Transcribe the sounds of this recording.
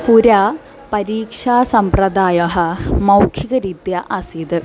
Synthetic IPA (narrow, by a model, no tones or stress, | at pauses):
puɾaː | pɐɾiːkʂaːsɐmprɐd̪aːjɐɦɐmɐwkʰiɣɐɾid̪jɐʔɐsid̪ɨ